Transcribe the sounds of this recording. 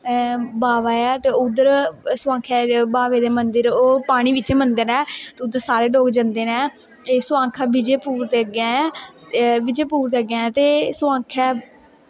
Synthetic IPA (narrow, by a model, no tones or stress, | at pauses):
baːʋaːɛːt̪eːʊd̪əɾsʊʋãːkʰɛːbaːʋeːd̪eːmənd̪əɾoːpaːɽ̃iːʋɪt͡ʃmənd̪əɾɛːt̪eːʊd̪əɾsaːɾeːɖoːɡd͡ʒənd̪eːnɛː | eːsʊãːŋkʰɛːbɪd͡ʒeːpuːɾt̪eːəɡɛ̃ːɛ̃ː | bɪd͡ʒeːpuːɾt̪eːəɡɛ̃ːɛ̃ːt̪eːsʊãːkʰɛː